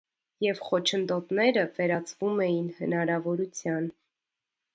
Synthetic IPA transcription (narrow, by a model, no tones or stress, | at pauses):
jɛvχɔt͡ʃʰənd̪ɔt̪nɛɾəvɛɾɑt͡svumɛjinhənɑɾɑvɔɾut͡sʰjɑn